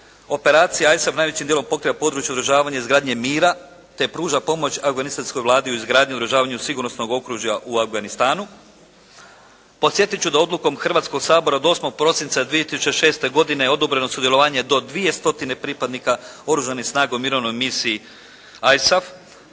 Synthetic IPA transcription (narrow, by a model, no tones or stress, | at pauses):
o̞pe̞ɾaːt̪sijaajsafnaːjʋe̞t͡ɕimd̪elo̞mpo̞kɾiʋapo̞d̪ɾut͡ʃjeo̞d̪ɾuʒaːʋaɲaizɡɾaːd̪ɲe̞miːɾa | t̪e̞pɾuːʒapo̞mo̞t͡ɕafɡanist̪ansko̞jʋlˠaːd̪iuizɡɾaːd̪ɲid̪ɾuʒaːʋaɲusiɡuɾnosno̞ɡo̞kɾuʒjaʔuafɡanist̪aːnu | po̞t̪sje̞t̪it͡ɕud̪ao̞d̪luko̞mxr̩ʋaːt̪sko̞ɡsaːbo̞ɾaod̪o̞ːsmo̞ɡ̚pɾo̞sint̪sad̪ʋije̞t̪isu̥t͡ɕeʃe̞ːst̪e̞ɡo̞d̪ineo̞d̪obɾe̞no̞sud̪jelo̞ʋaːɲe̞d̪o̞d̪ʋije̞st̪o̞t̪ine̞pɾipad̪nikao̞ɾuʒanixsnaːɡomiːɾo̞ʋno̞jmisiː | ajsaf